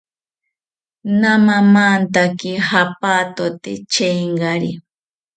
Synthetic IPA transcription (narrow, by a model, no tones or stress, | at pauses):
namamant̪akɪhapaːt̪ot̪ḛt͡ʃejŋɢaɾḭ